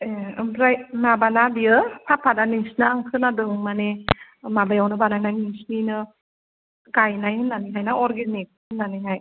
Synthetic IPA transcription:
eɯmɾajnabanabiɯpʰapʰːadaniŋsnaaŋkʰɯnadɯŋmane | mabajawnɯbanajnajniŋsninɯ | kajnajhɯnːaniɦajnaɔɾɡenik̚hɯnːaniɦaj

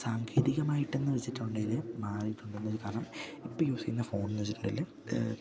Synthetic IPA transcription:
saːŋkʰeːðiɣɐmaːjiʈːenːɨʋɐt͡ɕːitːuɳɖelɨmaːriʈːuɳɖenːɐɾkaːɾɐɳɐmipːojuːsikːunːɐfo̞ːɳnːɐet͡ɕːitːuɳɖɐlːe

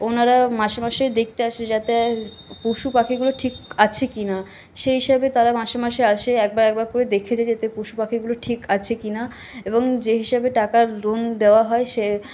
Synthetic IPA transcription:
onaɾamaʃemaʃed̪ek̚ʰt̪eaʃed͡ʑat̪e | puʃupakʰiɡuloʈʰikat͡ɕʰekina | ʃeɦiʃabet̪aɾamaʃemaʃeaʃeɛk̚baɾɛk̚baɾkoɾed̪ekʰed͡ʑʰaed͡ʑat̪epuʃupakʰiɡuloʈʰikat͡ɕʰekina | eboŋd͡ʑeɦiʃabeʈakaɾɾond̪eoaɦɔeʃe

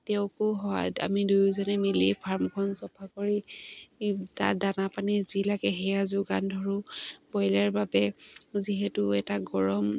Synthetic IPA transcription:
tɛʊ̃kʊɦɔa̰ta̰midujzɔnɛmilḭpʰaɹmkʰɔnsɔpʰakoɹi | ta̰danapanizilakɛɦɛjazʊɡandʱɔɹʊbɔjlɛɹbabɛziɦɛtʊɛtaɡɔɹɔm

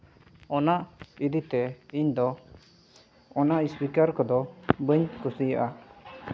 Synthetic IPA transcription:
ɔnaʔid̪it̪ɛiɲd̪ɔ | ɔnaʔispikaɾkɔd̪ɔbəɲkusija̰ʔa

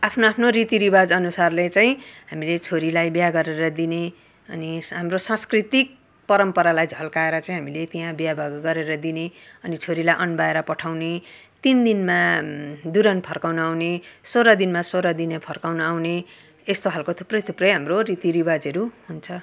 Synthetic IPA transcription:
apʰnoapʰnoɾit̪iɾibad͡zʌnusarlet͡saĩɦamilet͡sʰoɾilajbjaɡʌɾeɾʌd̪ine | ʌniɦamrosãskrit̪ik̚ | pʌɾʌmpʌɾalajd͡zʱʌlkaeɾʌt͡saĩɦamilet̪iɦãbjabʱaɡɡʌɾeɾʌd̪ineʌnit͡sʰoɾilajʔʌnbaeɾʌpʌʈʰawne | t̪ind̪inmad̪uɾʌnpʰʌrkawnʌawnesoɾʌd̪inmasoɾʌd̪inʌpʰʌrkawnʌawne | est̪oɦalkot̪ʰu̥prʌjt̪ʰuprʌjɦamrorit̪iɾibad͡zʌɾuɦunt͡sʰʌ

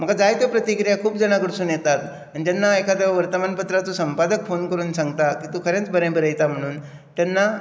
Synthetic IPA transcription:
m̤əɡad͡zajt̪opɾət̪ikɾijakʰuːp̚d͡zəɽ̃aɡuɾsuːnjet̪at̪ | aɽ̃id͡ʑ̪anːaekad̪əʋʋəɾt̪əmanpət̪ɾat̪usəmpad̪əkfonkəɾuːnsãŋɡt̪akiːt̪uːkʰəɾẽt͡sbəɾẽbəɾəjt̪am̤əɽ̃uːn | t̪janːa

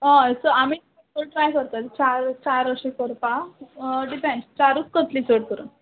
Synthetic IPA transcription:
ə̃esəamiːt̪ | oʈɾajkəɾt̪at̪t͡ɕaɾt͡ɕaɾəɕekɔɾpa | ɖipẽnst͡ɕaɾut͡skət̪liːt͡soɽkəɾṵn

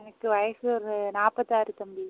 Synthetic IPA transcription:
nɐkːɯʋɐjɐsɯɔɾɯnaːpɐt̪ːaːɾɯt̪ɐmbi

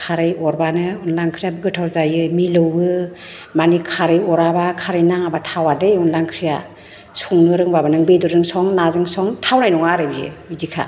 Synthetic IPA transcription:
kʰaɾɯjɔɾbanɯunlaŋkʰɾijabɯɡɯtʰawzajɯmilɯwɯ | manikʰaɾɯjɔɾabakʰaɾɯjnaŋabatʰawadɯjunlaŋkʰɾija | suŋnɯɾɯŋbabanɯŋbejdɯɾɯŋsɔŋnazɯŋsɔŋtʰawnajnɔŋaɾɯbijɯ̰mizikʰa̰

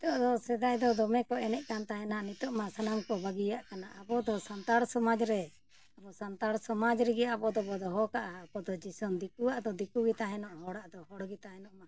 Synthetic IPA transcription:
t̪ɔʔd̪ɔsɛd̪ajd̪ɔd̪ɔmɛkɔɛnɛʔkant̪aɦɛnanit̪ɔʔmasanaŋkɔbaɡijaʔkanaʔabɔd̪ɔsant̪aɽsɔmad͡ʒɾɛ | abɔsant̪aɽsɔmad͡ʒɾɛɡɛjaabɔd̪ɔbɔd̪ɔɦɔkaʔaːbɔd̪ɔd͡ʒisɔnd̪ikuwaʔd̪ɔd̪ikuɡɛt̪aɦɛnɔʔɦɔɽaʔd̪ɔɦɔɽɡit̪aɦɛnɔʔma

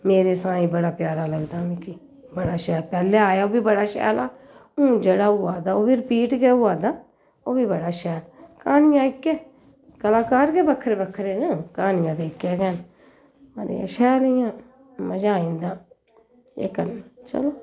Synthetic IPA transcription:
meːɾeːsãːĩːbəɽaːpjaːɾaːləɡd̪aːmɛ̃ːki | bəɽaːʃɛːlpɛːleːaːjaːoːbiːbəɽaːʃɛ̰ːlaː | ũːd͡ʒeɽaːʊːaːd̪aːoːbiːɾɪpiːʈɡɛːuːaːd̪aː | oːbiːbəɽaːʃɛːlkaːnɪjãːɪkːɛː | kəlaːkaːɾɡeːbəkʰːɾeːbəkʰːɾeːnekaːnɪjãːd̪eːɪkːɛːɡɛːn | mə̰ɾ̰jã̰ːʃɛːlɪjãː | məd͡ʒaːĩːnd̪aː | ḛkːənt͡ʃə̰loː

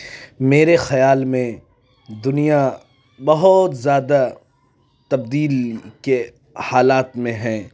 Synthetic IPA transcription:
meːɾexɐjaːlmẽ | d̪ʊnija | bɐɦʊt̪zjaːd̪a | t̪ɐb̚d̪iːlke | haːlaːt̪mẽɦɛ̃ː

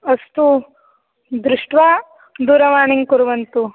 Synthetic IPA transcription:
ɐst̪u | d̪ɾuʂʈʋaː | d̪uːɾɐʋaːɳiŋkuɾuʋɐnt̪u

